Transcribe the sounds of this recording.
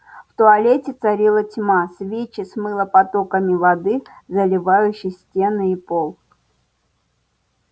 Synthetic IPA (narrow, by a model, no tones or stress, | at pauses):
ft̪ʊɐlʲetʲɪt̪sɐɾʲilˠətʲmasvʲet͡ɕɪsmɨlˠəpɐt̪okəmʲɪvɐd̪ɨzəlʲɪvajʉɕːɪjsʲtʲe̞nɨipolˠ